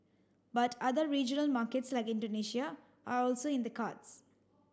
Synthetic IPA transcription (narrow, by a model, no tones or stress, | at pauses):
bʌʈʌd̪əɾɾiːd͡ʒənəlmaːɾkeʈslaɪkɪ̃ɳɖoːniːʃia | ʔaːɾɔːlsoːɪ̃nd̪əkaːʈs